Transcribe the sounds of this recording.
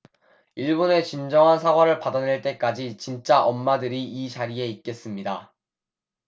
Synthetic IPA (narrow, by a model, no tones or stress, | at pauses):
iɭbone̞t͡ɕind͡ʑʌŋɦansʰaɡwaɾɯɭpadaneɭt͈e̞k͈ad͡ʑit͡ɕint͡ɕ͈aʔʌmːadɯɾiːt͡ɕaɾie̞it̚k͈e̞s͈ɯmɲida